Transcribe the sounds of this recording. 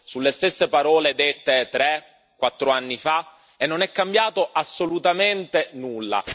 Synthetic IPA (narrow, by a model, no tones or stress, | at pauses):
sulːest̪esːepaɾɔːled̪et̪ːet̪ːɾɛ | kːwat̪ːɾoanːifa | enːonɛkːambjaːt̪oʔasːolut̪ament̪enulːa̰